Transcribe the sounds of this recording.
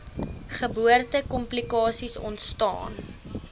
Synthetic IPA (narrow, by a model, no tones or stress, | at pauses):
χəbuərtəkɔmplikɑːsisɔ̰ntstɑ̰ːn